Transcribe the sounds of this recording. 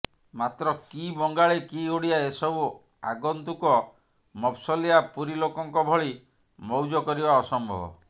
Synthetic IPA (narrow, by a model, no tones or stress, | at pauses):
mat̪ɾɔkibɔŋɡaɭekioɽiaesɔbu | a̰ɡɔnt̪ukɔ | mɔpʰsɔliapuɾilokɔŋkɔbʱɔɭi | mɔwd͡ʒɔkɔɾibaɔsɔmbʱɔ̰bɔ̰